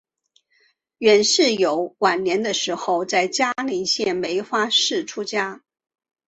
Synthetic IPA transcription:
ɥɛ˨˩nʂɻ̩˥˩jo˨˧˥ʊwa˨˩nnjɛ˧˥nd̪ə˧ʂɻ̩˧˥xo˥˧ʊt͡sa˥˩ɪt͡ɕja˥li˧˥nɕjɛ˥˩nme˧˥ɪxwa˥ʂɻ̩˥˩ʈ͡ʂʰu˥t͡ɕja˥

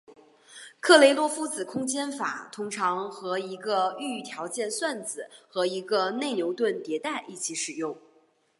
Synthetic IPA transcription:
kʰɤ˥˩le˧˥ɪlwɔ˥˩fu˥t͡sɹ̩˨˩kʰʊ˥ŋt͡ɕjɛ˥nfa̰˨˩˦t̪ʰʊ˥ŋʈ͡ʂʰɑ˧˥ŋxɤ˧˥i˧˥ɡə˧y˥˩t̪ʰjɑ˧˥ʊt͡ɕjɛ˥˧nswa˥˩nt͡sɹ̩˨˩˦xɤ˧˥i˧˥ɡə˧ne˥˩ɪnjo˧˥ʊt̪wə˥˩nt̪jɛ˧˥t̪a˥˩ɪʔi˥˩t͡ɕʰi˧˥ʂɻ̩˨˩jʊ˥˩ŋ

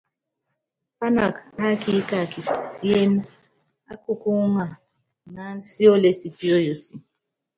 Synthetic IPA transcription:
pa˦na˨ka˦ki˦ka˨ki˨si˦e˦n̩˦ | a˦kʊ˦kʊ˦ŋa˨ | na˨n̩˦si˦o˦le˨si˨pi˦o˦jo˨si˨

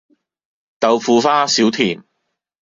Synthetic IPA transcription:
t̪ɐ˨wfuː˧faː˥siː˨˥wt̪ʰiː˨˩m

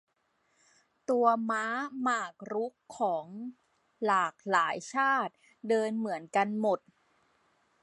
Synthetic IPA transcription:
t̪u˧ɐmaː˦˥maː˨˩k̚ɾu˦˥kʰːɔː˩˦ŋ | laː˨˩k̚laː˩˦jt͡ɕʰaː˥˩t̪̚ | dɤː˧nmɯ˩˦ənka˧nmo˨˩t̪̚

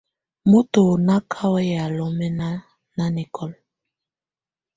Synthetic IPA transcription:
mo˦to˨na˦kʰa˦wɛ˦ja˨lɔ˨mɛ˦na˦ | na˦ni˨kʰɔ˦l

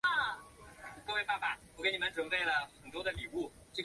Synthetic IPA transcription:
kɤ˥˧we˥˧ɪa˥˩fa˨˦wɔ˧˥ke˧˥ni˨˩mə˦nʈ͡ʂwə˨˩npe˥˩ɪlə˩xə˨˩nt̪wɔ˥d̪ə˨li˨˩u˥˩ʈ͡ʂɤ˥˩

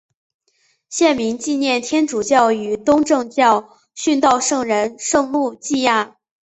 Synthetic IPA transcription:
ɕjɛ˥˩nmi˧˥ŋt͡ɕi˥˧njɛ˥˩nt̪ʰjɛ˥nʈ͡ʂu˨˩t͡ɕjɑ˥˩ʊy˨˩t̪ʊ˥ŋʈ͡ʂɤ˥˧ŋt͡ɕjɑ˥˧ʊ | ɕy˥˧nt̪ɑ˥˧ʊʂɤ˥˩ŋɻə˧˥nʂɤ˥˧ŋmu˥˧t͡ɕi˥˧a˥˩

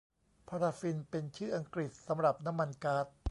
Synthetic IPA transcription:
pʰaː˧ɾaː˧fi˧npe˧nt͡ɕʰɯː˥˩ʔa˧ŋkɾi˨˩t̪̚sa˩˦mɾa˨˩p̚na˦˥mːa˧nkaː˦˥t̪̚

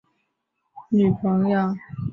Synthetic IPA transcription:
ny˨˩pʰɤ˧˥ŋja˥˩

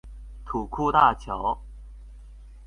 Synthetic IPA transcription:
t̪ʰu˨˩kʰu˥˧t̪a˥˩t͡ɕʰjɑ˧˥˦ʊ

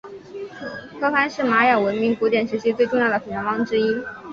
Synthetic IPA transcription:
kʰɤ˥fa˥nʂɻ̩˥˩ma˧˥jɑ˨˩ŋwə˧˥nmi˧˥ŋku˧˥t̪jɛ˨˩nʂɻ̩˧˥t͡ɕʰi˥t͡swe˥˧ɪʈ͡ʂʊ˥˧ŋjd̪ə˩pʰə˨˩jɑ˧˥ŋwɑ˥ŋʈ͡ʂɻ̩˥i˥

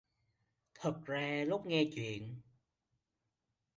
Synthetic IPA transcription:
t̪ʰə˨˩k̚zaː˧lʊ˦˥k͡p̚ŋɛ˧t͡ɕwḭ˧˨ən

